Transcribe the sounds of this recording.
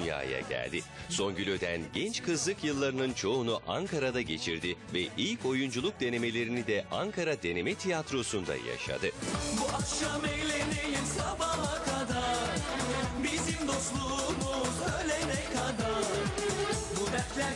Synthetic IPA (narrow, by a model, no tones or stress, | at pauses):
ja̰ːja̰ɟæ̰lʲd̪ɪso̞nɟylʲød̪ænɟɛnt͡ʃkʰɯzlˠɯkjɯlˠːaɾɯnɯnt͡ʃʰo̞unuʔaŋkʰaɾad̪aɟe̞t͡ʃʰiɾd̪ivɛʔilʲcʰo̞jund͡ʒulˠuk̚d̪e̞ne̞me̞lʲe̞ɾinid̪ɛʔaŋkʰaɾad̪e̞ne̞mɛt̪ʰijat̪ɾo̞sund̪a̰ja̰ʃa̰d̪ɯbuakʃamejlʲenejisabamˠakʰad̪aɾbizimd̪o̞slˠumuzølʲenɛkʰad̪aɾ | bud̪ɛɾlʲæ